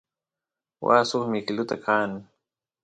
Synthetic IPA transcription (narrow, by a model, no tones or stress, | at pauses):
wa̰ːsoχmɪkɪlʊt̪akʰaːn